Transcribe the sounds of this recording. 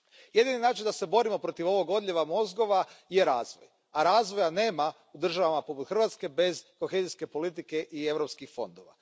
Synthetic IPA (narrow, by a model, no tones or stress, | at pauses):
je̞d̪ininaːt͡ʃind̪ase̞bo̞ɾimo̞pɾo̞t̪iʋo̞ʋo̞ɡo̞d̪ʎʲeʋamo̞zɡo̞ʋaje̞ɾaːzʋo̰j | aɾaːzʋo̞jane̞ːma | ud̪r̩ʒaʋamapo̞put̪xr̩ʋat̪ske̞be̞zko̞xeːziske̞po̞lit̪̬ike̞ʔie̞ʋɾopskixfo̞̰nd̪oʋa̰